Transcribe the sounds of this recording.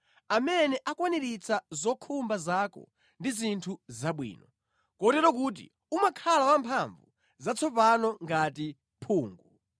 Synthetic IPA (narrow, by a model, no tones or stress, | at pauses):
amɛnɛʔakwaniɾit͡sʰazɔkʰumbazaːkɔ̰ | ndizintʰuzaɓwḭːnɔ | kɔtɛɾɔk̬uːt̬ḭ | umakʰalawampʰaɱvṵ | zat͡sʰɔpanɔŋɡati | pʰuːŋɡu